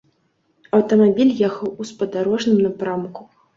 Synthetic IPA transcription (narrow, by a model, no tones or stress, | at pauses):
ɐwt̪ɐmabʲilʲjɛxɐwuspɐd̪aɾɔʐnɨmnapɾamku